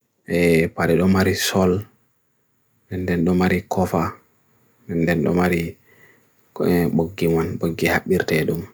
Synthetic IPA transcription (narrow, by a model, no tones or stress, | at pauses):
ʔɛpaɾɛɗɔmaɾisɔl | ɛndɛnɗɔmaɾikʰɔfa | ɛndɛnɗɔ̰maɾi | ɓoɡːimanɓoɡːihaɓːiɾtɛɗum